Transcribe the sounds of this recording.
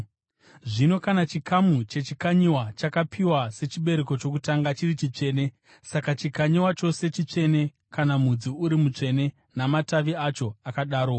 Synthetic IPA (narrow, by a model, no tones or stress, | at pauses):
ʐino̞kanat͡ʃikʰamut͡ʃe̞t͡ʃikaɲiwat͡ʃakapʰiwase̞t͡ʃiɓe̞ɾe̞ko̞t͡ʃo̞kutaŋɡat͡ʃirit͡ʃit͡ʂe̞ːne̞ | sakat͡ʃikaɲiwat͡ʃo̞se̞t͡ʃit͡ʂe̞ne̞ | kanamud͡ziuɾimut͡ʂe̞ne̞ | namataʋiat͡ʃo̞akaɗaːɾo